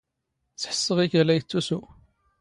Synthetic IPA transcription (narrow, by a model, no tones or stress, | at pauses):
t͡sːħə̥sːəʁiçəlæjət͡sːusu